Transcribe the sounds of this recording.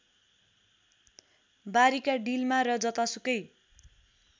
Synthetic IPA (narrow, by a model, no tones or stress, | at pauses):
baɾikaɖilmaɾʌd͡zʌt̪asukʌj